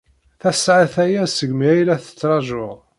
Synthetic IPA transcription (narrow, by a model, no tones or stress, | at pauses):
θæsʕaθæjæsəɡmiæjlæθə̥t͡sːɾˤɑʒʊʁ